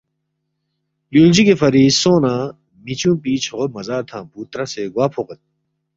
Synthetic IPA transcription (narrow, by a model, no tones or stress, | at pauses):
juld͡ʑikefɐɾiːsõːnãː | mit͡ɕjũːpiːt͡ɕʰoomɐzaːt̪ʰãːpuːt̪ɾaseɡwaːpʰoqet̪̚